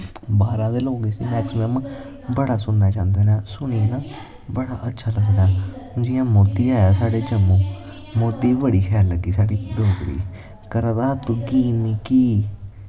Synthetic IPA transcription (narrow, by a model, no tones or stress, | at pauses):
baːɾãːd̪eːloːɡeːsiːmɛːksmɛːm | bəɽaːsʊnːaːt͡ʃãːnd̪aːɾãːsʊniːnãː | bəɽaːʔətːʃʰaːləɡd̪ãːd͡ʒɪjãːmoːd̪iːaːjaːsaːɽeːd͡ʒəmõː | moːd̪iːbəɽiːxʰɛaːlːəɡiːsaːɽiːɖoːkɽḭː | kəɾad̪aːt̪uːɡiːniːkiː